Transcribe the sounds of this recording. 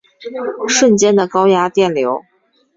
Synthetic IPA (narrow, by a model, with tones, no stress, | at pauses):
ʂwə˥˩nt͡ɕjɛ˥nd̪ə˨˩kɑ˥ʊja˥t̪jɛ˥˩nljo˧˥ʊ